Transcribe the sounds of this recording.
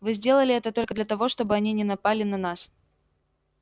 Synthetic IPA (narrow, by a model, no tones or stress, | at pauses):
vɨzʲdʲe̞lˠəlʲɪɛt̪ət̪o̞lʲkəd̪lʲɐt̪ɐvo̞ʂt̪o̞bɨɐnʲinʲɪnɐpalʲɪnɐnas